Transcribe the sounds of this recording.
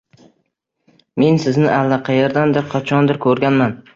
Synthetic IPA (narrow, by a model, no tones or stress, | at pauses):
me̞nsɪznɪʔalːaqʰɑjeɾd̪and̪ɪɾqʰɑt͡ʃʰɒnd̪ɪɾkʰɵɾɡʲanman